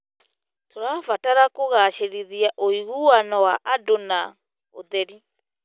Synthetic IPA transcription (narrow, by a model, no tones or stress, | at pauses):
toɾaːfataɾakoɣaɕeɾiðiaʔoiɣuwanɔwaʔadona | o̰ðɛɾi